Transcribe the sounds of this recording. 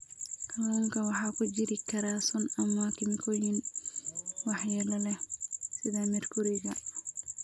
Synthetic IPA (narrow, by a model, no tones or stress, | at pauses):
kʰɐlalkʰɐwɑħɑːkʰʊd͡ʒɪɾɪkʰɐɾaːsɔnɐmakʰɪmkʰɔjin | wɑħjɐlɐlɛsɪðamɛrkʰʊɾɪɣɐ